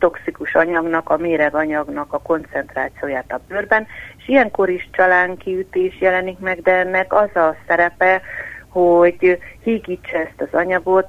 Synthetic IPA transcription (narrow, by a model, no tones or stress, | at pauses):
t̪o̞ksikuʃɒɲɒɡnɒkɒmeːɾɛɡɒɲɒɡnɒkɒko̞nt̪sɛnt̪ra̰ːt̪sijoːjaːt̪ɒbørbɛneʃijɛŋko̞ɾiʃt͡ʃɒlaːŋkiyt̪eːʃjɛlɛnikmɛɡd̪ɛɛnːɛkɒzɒsɛɾɛpɛho̞ɟhiːɡiːt͡ʃːɛɛst̪ɒzɒɲɒɡo̞t̪